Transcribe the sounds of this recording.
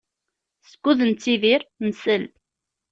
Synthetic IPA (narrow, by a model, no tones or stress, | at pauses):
sə̥kːuðənt͡sːiðiɾnəsəl